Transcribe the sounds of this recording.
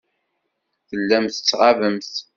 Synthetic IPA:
θəlːæmθə̥t͡sːʁavəmθ

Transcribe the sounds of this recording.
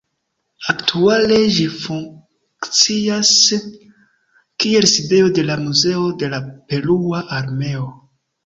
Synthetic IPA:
aktʰuale̞ʒifuŋ | kt͡sias | kie̞lside̞o̞de̞lamuze̞o̞de̞lape̞luaʔaɾme̞o

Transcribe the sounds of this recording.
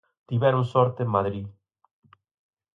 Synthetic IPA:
t̪iβɛɾʊ̃ŋsɔɾt̪emaðɾi

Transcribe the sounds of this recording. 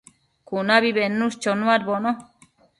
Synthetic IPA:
kunaβiβenːust͡ʃonuaɾbono

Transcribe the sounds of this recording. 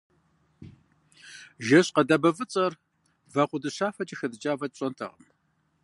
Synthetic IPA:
ʒɐɕqɐdɐbɐvɨt͡sʼɐr | vɐqʷʊdɨɕaːfɐt͡ʃʼɪxɐdɨt͡ʃʼaːvɐt̚ɕʼɐntʰɐ̰ʁə̰m

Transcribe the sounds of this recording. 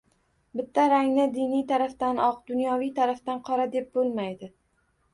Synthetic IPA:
bɪt̪ʰːaɾaŋnɪd̪ɪnijt̪ʰaɾaft̪anɒqd̪ʊnjɒvijt̪ʰaɾaft̪anqʰɒɾad̪e̞p̚bolˠmajd̪ɪ

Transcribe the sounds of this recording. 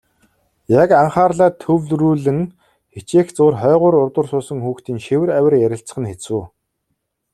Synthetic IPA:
jakaɴχaːrɮaːt̪ʰːɵwɮruːɮɘ̆ŋ | xet͡ɕeːxt͡sʊːrχœːʁʊːɾʊrt̪ə̆rsʊːsə̆ŋxuːxt̪iːŋʃewɘ̆ræwʲɪ̆rjæɾʲɪ̆ɬt͡sə̆χ̆nxet͡suː

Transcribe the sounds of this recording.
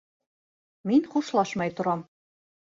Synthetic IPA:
minʲχuʃlˠɑʃmɑjt̪ŭɾɑm

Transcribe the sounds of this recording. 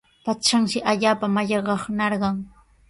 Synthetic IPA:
paʃaŋʃɪʔaʎaːpamaʎɑɢɑχnɑɾɢɑŋ

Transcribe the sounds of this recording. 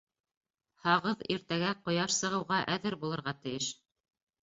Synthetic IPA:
hɑʁɤðiɾt̪æɡæqŏjɑʃsɤ̆ʁɤ̆wʁɑʔæðɘɾbulˠɤ̆ɾʁɑt̪ɘ̆jɘʃ

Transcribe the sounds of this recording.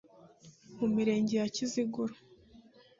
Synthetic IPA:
mumiɾe̞ːɲɟejaciziɡuɾo̥

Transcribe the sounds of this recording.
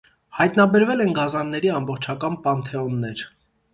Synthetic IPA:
hɑjt̪nɑbɛɾvɛlɛnɡɑzɑnːɛɾiɑmbɔχt͡ʃʰɑkɑnpɑnt̪ʰɛɔnːɛɾ

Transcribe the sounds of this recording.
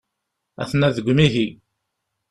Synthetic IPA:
æ̰θnæðəɡʷːmiɦi

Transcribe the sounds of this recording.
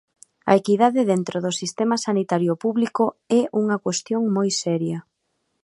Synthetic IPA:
ɐ̰ekiðaðɪðent̪ɾoðʊsist̪ɛmɐsanit̪aɾjopuβlikoɛʔuŋɐkwest̪joŋmojsɛɾjɐ

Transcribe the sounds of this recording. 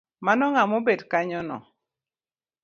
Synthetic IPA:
manɔŋamobedkaɲɔnɔ̰

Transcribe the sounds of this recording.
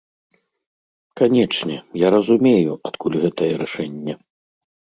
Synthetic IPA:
kanʲɛt͡ʂnʲɛjaɾɐzumʲejuat̪kulʲɣɛt̪ɐjɛɾɛʂɛnʲːɛ

